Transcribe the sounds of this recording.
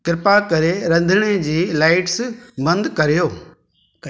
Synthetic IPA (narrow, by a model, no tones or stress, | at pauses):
kɪɾɪpakɐɾeɾɐ̃nd̪ʱɪɽ̃ed͡ʑiːlaːɪʈsbɐ̃nd̪kɐɾijoː